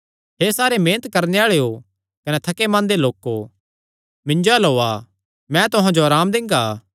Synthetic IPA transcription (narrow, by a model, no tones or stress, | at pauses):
ɦeːsaːɾemẽːnət̪kɐɾneaːɭeo | kɐnɛt̪ʰɐkemãːnd̪eloːkːo | mɪ̃nd͡ʒoɛlɦoːa | mɛ̃t̪ʊɦãd͡ʒoaːɾaːmd̪ɪ̃ŋɡaː